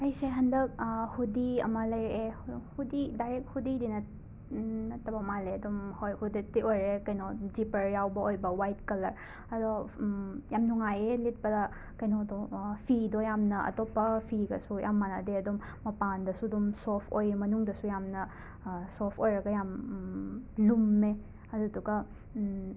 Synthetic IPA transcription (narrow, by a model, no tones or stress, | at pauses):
ɐjseɦɐndɐk̚hudiɐ̰mɐlɐjɾʔehhudidajɾek̚t̚hudidinɐ | nɐtʰɐbɐmaleɐdumhojhuditiojɾekɐjnod͡ʒipɐɾjawbɐojbɐwajtkɐlɐɾ | ɐdo | jamnuŋajelit̚pɐdɐ | kɐjnodopʰidojamnɐʔɐ̰topːɐpʰiɡɐsuja̰mːanɐdeɐdumːɐpandɐsudɔmsopʰojmɐnuŋdɐsujamnɐ | sopʰojɾɐɡɐjam | lumːe | ɐduɐduɡɐ